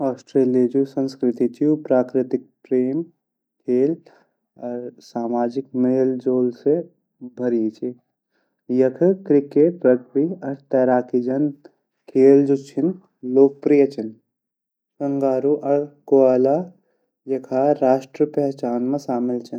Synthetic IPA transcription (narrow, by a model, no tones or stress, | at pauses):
ɔːsʈɾeːliɐd͡ʒusɐ̃nskɾɪt̪it͡ʃiupɾaːkɾɪt̪ɪk̚pɾeːm | kʰeːl | ɐɾsaːmaːd͡ʒɪk̚mɐeɦɪld͡ʒoːlse | bʱɐɾit͡ʃi | jɐkʰkɾɪket̪ɾɐɡɾiɐɾt̪ɛːɾaːkid͡ʒɐn | kʰeːld͡ʒut͡ʃʰɪn | loːk̚pɾijɐt͡ʃɐn | sɐŋɡaːɾuʔɐɾkoaːla | jɐkʰaːɾaːʃʈɾəpɛɦt͡ʃaːnmẽsaːmɪlt͡ʃʰɐn